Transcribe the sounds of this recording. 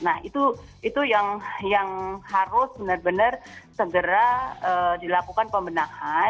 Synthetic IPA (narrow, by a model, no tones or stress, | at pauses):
nahit̪uit̪ujaŋjaŋhaɾʊsbənərbənərsəɡəɾaədilakukanpəmbənaha